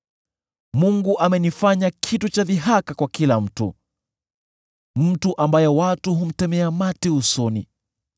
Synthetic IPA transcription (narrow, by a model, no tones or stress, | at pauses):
muŋɡuʔamɛnifaɲakʰitut͡ʃaviɦakakwakilam̩tṵ | m̩tuʔambajɛwatuɦum̩tɛmɛamatɛusɔnḭ